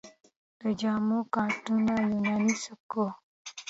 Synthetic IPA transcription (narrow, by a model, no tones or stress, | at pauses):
əd͡ʒamukãtunalənanisəko